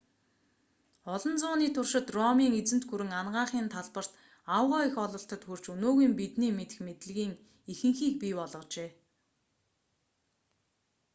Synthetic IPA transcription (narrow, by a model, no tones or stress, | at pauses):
ɔɮɞ̆nt͡sʊːniːt̪ʰʊrʃɪ̆t̪rɔmiːŋet͡sɘ̆n̥t̪xuɾɘ̆ŋanɢaːχiːnt̪ʰaɮpə̆r̥t̪ | awʁɔːixɔɮə̆ɬt̪ə̆t̪xur̥t͡ɕɵnoːɣiːmpit̪niːmet̪ɘ̆xmet̪ɘ̆ɮɣiːŋ | ixɘ̆ŋxiːk̚piːpɔɮʁɞ̆t͡ɕeː